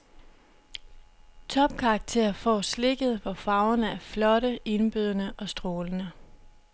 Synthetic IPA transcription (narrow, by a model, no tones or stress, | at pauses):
t͡sʰɒ̽b̥̚kʰɑ̈ːɡ̥̚t͡sʰe̝̰ɐfɒ̰ːsle̝ɡ̥ð̞̩ˠʋɒfɑ̈ʊɐnəæɐflɒ̽ɾəe̝nb̥yð̞ˠɐnəʔɒ̽sd̥ʁoːlənə